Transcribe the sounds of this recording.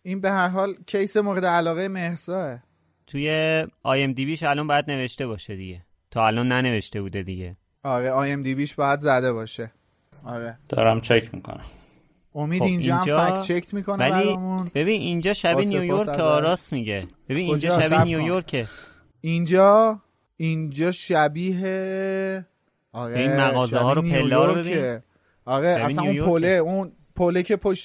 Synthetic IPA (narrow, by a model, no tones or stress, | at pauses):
inbe̞hæɾɦɒːlcʰejsemoːɾed̪eælɒːɣejemeɾzɒːe | t̪ʰujeɒːjemd̪ibiːʃælɒːmbɒːjæd̪ne̞ve̞ʃt̪e̞βɒːʃed̪iɟe̞ | t̪ʰɒːælɒːnːæne̞ve̞ʃt̪e̞buːd̪e̞d̪iɟe̞ | ɒɾeɒːjemd̪ibiːʃb̥ɒːjæd̪zæd̪e̞bɒːʃe | ɒɾed̪̥ɒ̰ːɾæmt͡ʃʰekʰmḭːkʰo̰næm | omiːd̪ind͡ʒɒːamfækt͡ʃʰekʰmiːkʰo̞neæliɾmunb̥e̞binind͡ʒɒːʃæbiniojoɾkeɒːɾɒːsmiɟeb̥e̞biːnond͡ʒɔʃæinjujoɾkʰe | ind͡ʒɒː | ind͡ʒɒːʃæbiːɦe | ɒːɣeimæɣɒːzeɦɒːɾopʰelːɒːɾbebie | ɒːɣeasannupʰoleun | pʰolecʰe̞pʰoʃ